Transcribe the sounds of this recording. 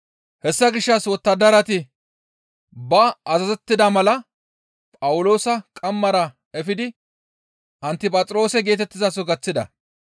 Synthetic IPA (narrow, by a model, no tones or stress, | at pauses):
hɛsːɐɡɪʃːɐswɔt̪ːɐd̪ːɐɾɐt̪ɪ | bɐːzɐzɛt̪ːɪd̪ɐmɐlɐ | pʼɐwʊlo̞ːsɐkʼɐmːɐɾɐ | ɛfɪd̪ɪ | ʔɐnt̪ːɪpʼɐt͡sʼɾo̞ːsɛɡe̞ːt̪ɛt̪ːɪzɐsɔɡɐt͡sːɪd̪ɐ̰